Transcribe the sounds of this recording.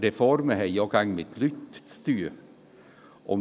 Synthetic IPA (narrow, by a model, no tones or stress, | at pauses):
ɾɛfɔɾməɦɛjɑːɡɑŋːmɪt̪ʰlʏt̪st̪ʉː | ʔɔm